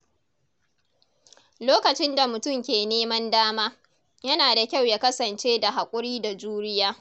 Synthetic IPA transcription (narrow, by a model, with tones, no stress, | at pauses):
loː˦kɐ˨t͡ʃɪ˦nda˨mʊ˨tʊ˦mkʲeː˨neː˦mɐ˦ndaː˦maː˦ | jɐ˦naː˨da˨kʲa˦˨wjaː˦kɐ˦sɐ˨nt͡ʃeː˦da˨ɦa˨kʷʼʊ˦ɽiː˦da˨d͡ʒuː˦ɽɪ˦jaː˦